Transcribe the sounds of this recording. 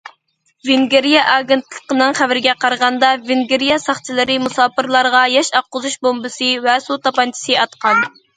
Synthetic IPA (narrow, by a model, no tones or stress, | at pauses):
vɪŋɡʲeɾijɑʔɑːɡʲent̪lˠə̥qənɨŋχævɪɾɪɡʲɛqʰɑɾʁɑnd̪ɑveŋɡʲeɾijɑsɑχt͡ʃʰilˠɨɾɨmusɑːpɨɾlˠɑɾʁɑjɛʃɑqːʊzuʃbombɨsɨvɛsut̪ɑpɑnt͡ʃʰi̥sɨɑt̪qɑn